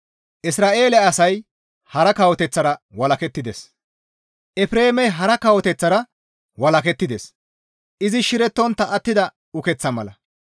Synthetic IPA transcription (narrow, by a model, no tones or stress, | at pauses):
ʔɪsɾaːʔe̞ːlɛɐsɐj | hɐɾɐkɐwɔt̪ɛt͡sːɐɾɐwɐlɐkɛt̪ːɪd̪es | ʔɛfɾe̞ːmɛjɦɐɾɐkɐwɔt̪ɛt͡sːɐɾɐ | wɐlɐkɛt̪ːɪd̪es | ʔɪzɪʃɪɾɛt̪ːɔnt̪ːɐʔːt̪ːɪd̪ɐ | ʊkɛt͡sːɐmɐlɐ